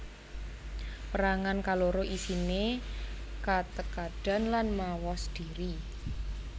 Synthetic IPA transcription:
pəɾaŋankaloɾoʔisine | kat̪əkaɖ̥a̤nlanmawɔsd̥i̤ɾi

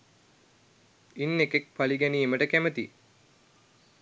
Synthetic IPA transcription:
inːekek̚paliɡænieməʈəkæmət̪i

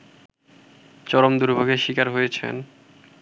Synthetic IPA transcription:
t͡ɕɔɾomd̪uɾbʱoɡʱeʃikaɾɦojet͡ɕʰḛn

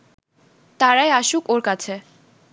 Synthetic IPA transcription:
t̪aɾajaʃukoɾkat͡ɕʰe

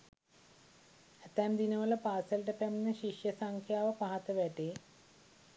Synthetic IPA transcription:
ɐt̪ːaːmd̪inɐʋɐlɐpaːsɐlʈɐpemnɨɕiʂjɐsɐŋkʰjaːʋɐpɐɦɐt̪ːɐʋeʈːe

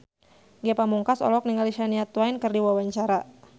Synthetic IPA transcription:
ɡiapamuŋkasɔ̰lɔk̚niŋaliʃaniat̪wainkɨrdiwawaɲt͡ʃaɾa

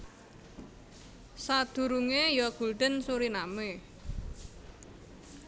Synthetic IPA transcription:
sad̪̥ṳɾuŋejɔɡ̥ṳlɖ̪̥ə̤nsuɾiname

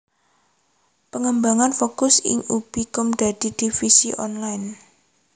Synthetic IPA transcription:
pəŋəmbaŋanfokʊsɪ̰ŋub̥ikɔmd̪̥a̤d̪̥i̤d̪̥ifisḭʔɔnlajn

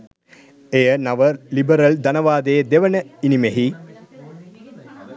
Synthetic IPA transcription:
eːɐnɐʋɐlibɐɾɐld̪ɐnɐʋaːd̪eːd̪eʋɐnɐinimeɦi

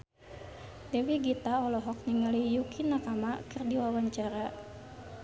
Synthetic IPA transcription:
dɛwiɡit̪aɔlɔɦɔk̚ɲəŋalijukʰinakamakɨrdiwawaɲt͡ʃaɾa

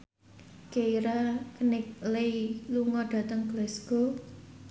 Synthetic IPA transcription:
keiɾakənɪk̚leiluŋɔɖ̥a̤t̪əŋɡlɛsɡ̥o̤

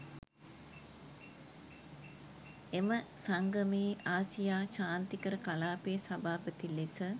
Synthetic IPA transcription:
eməsaŋɡəmeːʔaːsijaːʃaːnt̪ikəɾəkalaːpejːsabaːpət̪ilisə

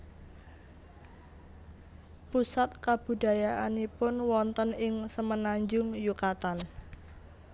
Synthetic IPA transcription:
pusat̪̚kab̥ṳɖa̤jaʔanipʊnwɔnt̪ənɪŋsəmənaɲd͡ʒʊŋjukat̪an

